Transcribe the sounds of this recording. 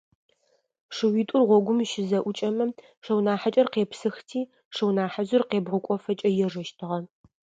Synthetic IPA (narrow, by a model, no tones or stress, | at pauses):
ʂɨwiːtʷʼʊrʁʷɔɡʷʊmʃɪzɐʔʷʊt͡ʃʼɐmɐ | ʂɐwnaːħat͡ʃʼɐrqeːpsɨxtʰiː | ʂɨwnaːħazʊrqeːbʁʊkʷʼɔfɐt͡ʃʼɐjɛʐɐʃtʰɨʁɐ